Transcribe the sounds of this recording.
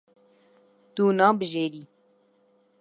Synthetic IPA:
t̪uːnɑːbəʒeːɾiː

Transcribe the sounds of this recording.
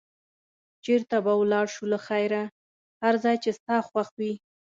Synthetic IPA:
t͡ʃeɾt̪abawlɑɽʃulaxajɾa | haɾzɑjt͡ʃest̪ɑxwaxwi

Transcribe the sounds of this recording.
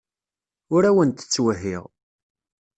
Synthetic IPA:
ʊɾæwənt̪ə̥t͡sːwəɦiʁ

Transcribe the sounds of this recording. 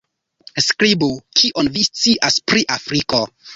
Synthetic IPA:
skɾibukʰiʔonvist͡siʔaspɾiʔafɾiko

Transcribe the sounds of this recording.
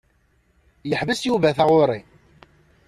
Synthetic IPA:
jəħvəsjuvæθaʁʊɾˤi

